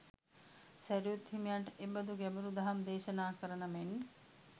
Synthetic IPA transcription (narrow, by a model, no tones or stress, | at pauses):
sæɾijut̪himijaɳʈʔebɐd̪uɡɛbuɾud̪ɐɦɐmd̪eːʃɐnaːkəɾənəmen